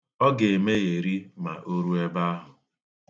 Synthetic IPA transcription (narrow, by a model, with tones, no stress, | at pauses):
ɔ˦ɡe˨me˦ɣe˨ɾi˦ma̰˨ʔo˦ɾu˦e˦ba˦a˦ɦʊ˨